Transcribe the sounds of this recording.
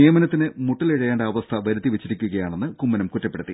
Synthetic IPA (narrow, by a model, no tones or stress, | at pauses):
ijɐmɐnɐt̪ːinɨmuʈːileɻɐjaːnɖeɐʋɐst̪ʰɐʋɐɾut̪ːiʋet͡ɕːiɾikʲːuɣɐjaːɳe̞nːɨkumːɐnɐmkutːɐpːe̞ɽut̪ːi